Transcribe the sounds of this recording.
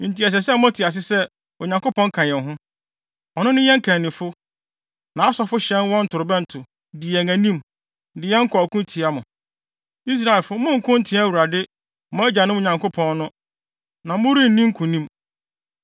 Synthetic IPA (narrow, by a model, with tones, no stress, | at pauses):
ɪ̃˨n̩˨ti˨ɛ˨s̬ɛ˨sɛ˦m˦ɔ̃˦tʰɪ˨a˨s̬ɪ˦sɛ˦ | o˨ɲã˨ŋkʊ˦pʰɔ̃˦ŋ̩˦kʰã˨jɛ̃˨nɦʊ̃˦ | ɔ˨nʊ̃˦nʊ̃˦jɛ̃˦ŋ̩˦kʰã˨nɪ̃˨fʊ˦ | nã˨a˦sɔ˦fʊ˦ɕɛ̃˦n˦wɔ̃˦n̩˦tʰʊ˨ɾʊ˨bɛ˦n̩˨tʰʊ˨ | dɪ˨ɛ˨næ̃˨nĩ˦m | dɪ˨ɛ˦ŋ̩˦kʰɔ˨kʰũ˦ntʰi˨a˦mʊ̰̃˨ | i˦s̬ɾa˨e˨lfʊ˦mʊ̃˦ŋ̩˨kʰʊ̃˦n̩˦tʰɪ̃˦æ˦˨wu˨ɾa˨dɪ˦ | mʊ̃˦æ˦d͡ʑa˨nʊ̃˦m˦o˨ɲã˨ŋko˦pʰɔ̃˦nːʊ̃˦ | nã˨mʊ̃˦ɾi˦n̩˨nĩ˦ŋ̩˦kʰʊ̃˨nĩ˦m